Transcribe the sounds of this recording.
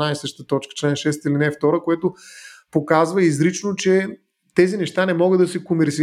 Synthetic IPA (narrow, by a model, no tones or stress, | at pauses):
ajsəʃt̪ət̪ɔt͡ʃkə̥t͡ʃlɛnʃɛs̬t̪ilinɛft̪ɔɾəkoɛt̪ʊpokazvəizɾit͡ʃnot͡ʃɛ | t̪ɛzinɛʃt̪anɛmɔɡəd̪ɐsɛkomvɛɾsi